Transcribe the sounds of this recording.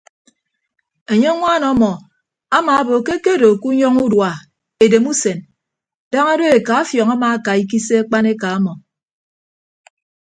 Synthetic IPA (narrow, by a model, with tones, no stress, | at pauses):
e˨ɲe˦ŋʷa˦˨nɔ˨˦mɔ˨ | a˦maː˨a˦bo˨ke˦ke˦do˨ku˦ɲɔ˦ŋu˦dwa˨ | e˨de˨mu˦se˨n | da˦ŋa˦do˦e˨ka˨˦fjɔ˨ŋa˦ma˨a˦ka˨i˦k̬i˦se˦a˦k͡pa˦ne˦ka˨a˦mɔ˨